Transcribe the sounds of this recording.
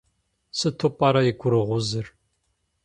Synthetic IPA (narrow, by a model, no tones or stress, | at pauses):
sɨtʰopʼɐɾɐjɪɡʷʊɾɨʁʷʊzɨr